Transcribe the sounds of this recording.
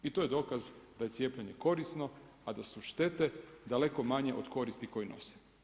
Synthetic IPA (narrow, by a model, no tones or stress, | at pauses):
it̪ojed̪o̞ːkazd̪aje̞tsje̞ːplʎeɲe̞ko̞ɾisno̞ | ad̪asuʃt̪e̞t̪e̞d̪ale̞ko̞maɲe̞ʔod̪ko̞ɾist̪iko̞jino̞̰se̥